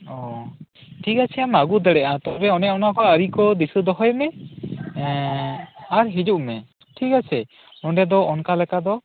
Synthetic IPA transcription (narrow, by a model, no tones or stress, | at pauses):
ɔ̃ | ʈʰikat͡ʃʰɛamaɡud̪ɛɽɛʔat̪ɔɾɛɔnɛɔnakɔəɾikɔd̪isud̪ɔɦɔjmɛ | aɾɦid͡ʒuʔmɛ | ʈʰikat͡ʃʰɛ | nɔɖɛd̪ɔɔnkalɛkad̪ɔ